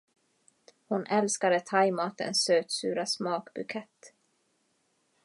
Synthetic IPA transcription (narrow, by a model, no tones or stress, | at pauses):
hʊnʔɛlskad̪ət̪ʰajmɑːt̪ə̰nsːøːt̪sʉːɾasmɑːkbɵkʰɛt̪ː